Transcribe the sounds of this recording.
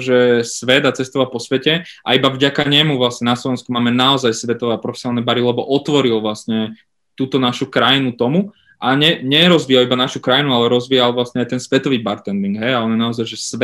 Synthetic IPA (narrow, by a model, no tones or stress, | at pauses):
ʒɛsʋɛd̪at͡sɛst̪ɔʋalpɔsʋɛcɛʔa̰ibavɟakaɲɛmuʋlasɲɛnaslɔʋɛnskumaːmɛnaɔzajsʋɛt̪ɔʋɛapɾɔfɛ̥sinaːlnɛbaɾilɛbɔʔɔt̪ʋɔɾilʋlasɲɛ | t̪uːt̪ɔnaːʃukɾajinut̪ɔmu | ʔaɲɛɲɛɾɔzʋiːjalibanaːʃukɾainualɛɾɔzʋiːjalʋlasɲɛajt̪ɛnsʋɛt̪ɔʋiːbaɾt̪ɛnd̪iŋɡɦɛjaɔnjɛnaɔzajʒɛsʋɛ